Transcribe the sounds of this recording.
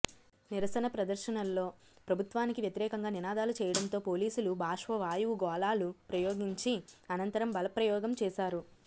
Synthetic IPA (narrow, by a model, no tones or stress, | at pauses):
niɾɐsɐnɐpɾɐd̪ɐɾʃɐnɐlːo̞ː | pɾɐbʱut̪ʋaːnikiʋjɐt̪iɾɛːkɐŋɡaːninaːd̪aːlut͡ʃɛːjɐɽɐnt̪o̞ːpo̞ːliːsulubʱaːʂʋɐʋaːjuɡɔːlaːlupɾɐjoːɡiɲt͡ʃiɐnɐnt̪ɐɾɐmbɐlɐpɾɐjɔːɡɐmt͡ʃɛːʃaːɾu